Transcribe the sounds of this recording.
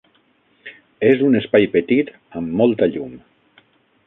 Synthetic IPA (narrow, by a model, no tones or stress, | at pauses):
ezunespajpet̪it̪ | əmːɔlˠt̪aʎum